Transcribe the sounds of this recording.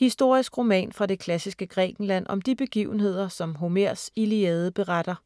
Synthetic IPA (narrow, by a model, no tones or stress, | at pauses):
hisd̥o̝ɐ̰isɡ̥ʁo̝mɛ̰ːnfʁɑ̈d̥e̝kʰlæsisɡ̥əɡ̥ʁɛ̰ːɡ̥n̩læn̰ɒ̽md̥ib̥e̝ɡ̥ḭʊn̩he̝ð̞̰ˠɐsɒ̽mɦo̝meɐ̰siliɛːð̞ˠəb̥e̝ʁɑd̥ɐ